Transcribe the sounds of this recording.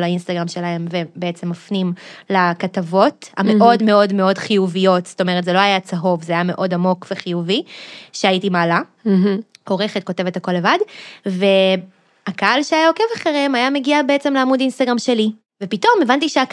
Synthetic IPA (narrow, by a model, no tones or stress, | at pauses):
lainst̪aɡʁamʃe̞lae̞mvebeet͡se̞mːafnimlakatavo̞ta̰meʔo̞dme̞o̞dmeo̞dχijuvijo̞tsto̞meʁ̞etzeloajat͡saɦo̞vzeajame̞ʔo̞damo̞kveχijuviʃeaitimaːla | ho̞ʁe̞χet̚ko̞te̞vethako̞lːe̞vadve̞ | akaalʃeajaokevaχeʁimajame̞ɡiabeet͡se̞mleamudinst̪aɡʁamʃe̞li | vepito̞mevantiʃea